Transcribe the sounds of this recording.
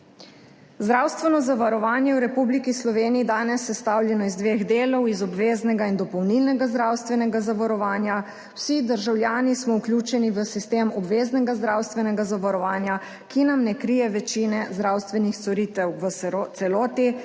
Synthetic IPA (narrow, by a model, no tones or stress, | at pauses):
zd̪ɾawst̪ʋɛnɔzaʋaɾɔʋaːnjɛwɾɛpublikislɔʋeːniːd̪aːnɛsːɛst̪awljɛnɔizd̪ʋeːɣd̪eːlɔwizɔbʋeːznɛɡaind̪ɔpɔwnilnɛɡazd̪ɾawst̪ʋɛnɛɡazaʋaɾɔʋaːnja | w̥sid̪əɾʒawljaːnismɔuklʲjuːt͡ʃɛniʋəsist̪eːmɔbʋeːznɛɡazd̪ɾawst̪ʋɛnɛɡazaʋaɾɔʋaːnja | kinamnɛkɾijɛʋɛt͡ʃinɛzd̪ɾaːwst̪ʋɛnixt̪sɔɾit̪ɛwʋəsɛlɔːt̪i